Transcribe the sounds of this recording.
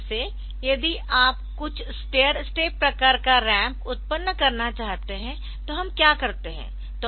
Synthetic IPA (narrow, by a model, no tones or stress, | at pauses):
se | jɐd̪iʔaːpkʊt͡ʃʰsʈeːəɾsʈeːpɾɐkaːɾkaɾɛ̃ːmpʊt̪̚pənːəkɐɾnat͡ʃaːɦt̪eɦɛ̃ | t̪oɦɐmkjaːkɐɾt̪eɦɛ̰̃ | t̪o